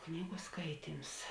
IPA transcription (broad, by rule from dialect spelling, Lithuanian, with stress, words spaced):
ˈknʲiːɡʊ ˈskɐɪtʲiːms